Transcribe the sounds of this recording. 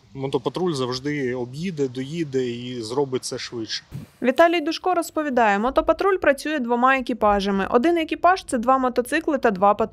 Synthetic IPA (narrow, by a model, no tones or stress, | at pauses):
mɔt̪ɔpɐt̪ɾulʲzɐwʒd̪ɪɔbjid̪ɛd̪ɔjid̪ɛizɾɔbɪt̚ʲtsɛʃʋɪt͡ʃɛ̥ʋʲit̪ɑlʲijd̪ʊʃkɔɾɔspɔʋʲid̪ɑjɛmɔt̪ɔpɐt̪ɾulʲpɾɐt͡sʲujɛd̪ʋɔmɑekʲipɑʒɐmɪ̰ʔɔ̰d̪ɪnjɐkʲijpɑʃt̪sɛd̪ʋɑmɔt̪ɔt̪sɪklˠɪt̪ɐd̪ʋɑpɐt̪